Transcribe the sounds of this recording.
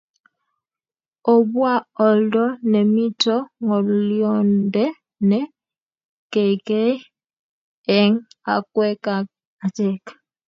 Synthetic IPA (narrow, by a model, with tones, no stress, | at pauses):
o˨βwa˦o˨ldo˦ne˨mi˦to˦ŋo˨luljonde˦ | ne˦ | ke˨ike˦ | e˨ŋa̰˨kwe˦ka˨ | a˨teːkḁ